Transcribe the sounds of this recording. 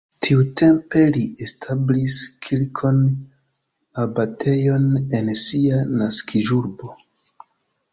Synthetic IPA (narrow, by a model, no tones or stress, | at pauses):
tʰiutʰe̞mpe̞liʔestʰabliskʰilkʰo̞n | abatʰe̞jo̞ne̞nsianaskʰiʒuɾbo̞